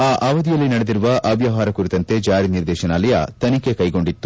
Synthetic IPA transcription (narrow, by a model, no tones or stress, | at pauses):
aːʔaːʋɐd̪ijɐlːinɐɽed̪iɾuʋɐʔɐbjɐɦaːɾɐkuɾit̪ɐnt̪e̞d͡ʒaːɾiniɾd̪ɛːʃɐnaːlɐjɐ̰t̪ɐnike̞kɐjɡo̞ɳɖit̪ːu